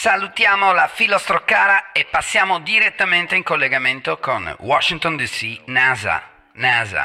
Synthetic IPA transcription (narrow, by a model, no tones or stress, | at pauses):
salut̪jaːmolafilɔst̪ɾokːaːɾaepːasːjaːmod̪iɾet̪ːament̪eiŋkolːeɡament̪okonwɔʃːiŋt̪ond̪isinaːza̰ | naːza̰